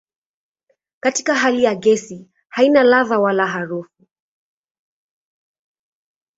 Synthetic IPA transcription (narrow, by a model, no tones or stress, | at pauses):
kati̥kaɦalijaɡɛsi | hainalaðawalaɦaɾufu